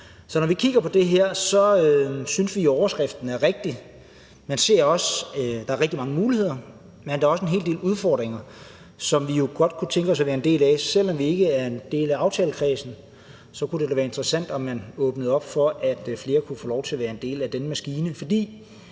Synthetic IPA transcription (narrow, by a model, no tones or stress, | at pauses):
sɒ̽nɒʋikʰiɡ̥ɐpʰɒ̽d̥e̝ɦæɐ̰sɒ̽øsynsʋioɒʊɐsɡ̥ʁɛfd̥n̩æɐʁeɡ̥̚d̥i | mænse̝̰ɐ̰ɒ̽sd̥ɑ̈æɐʁeɡ̥d̥imɑ̈ŋəmuːlihe̝ð̞̰ˠɐ | mend̥ɑ̈ɐɒ̽səe̝nɦe̝ːlde̝̰ːluð̞ˠfɒ̰ːd̥ʁeŋɐ | sɒ̽mʋijo̝ɡ̥ɒ̽d̥̚kʰut͡sʰeŋɡ̥əɒ̽sæʋæːɐe̝nd̥e̝̰ːlæsel̰ɒ̽mʋie̝ɡ̥əæɐend̥e̝̰ːlæɑ̈ʊt͡sʰɛ̰ːləkʰʁɛːsn̩ | sɒ̽kʰud̥ed̥æʋæːɐe̝nd̥ʁəsæn̰d̥ɒ̽mænɔ̽ːb̥nəð̞̩ˠɒ̽b̥fɒ̽ʔæd̥fle̝ːɐkʰufɔːlɒʊt͡sʰe̝ɐʋæːɐe̝nd̥e̝̰ːlæd̥enəmæsɡ̥iːnəfɒ̽d̥ḭː